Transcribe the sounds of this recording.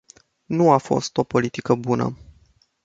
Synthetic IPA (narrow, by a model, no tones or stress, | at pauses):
nuafo̞̰st̪o̞po̞lit̪ikəbunə̰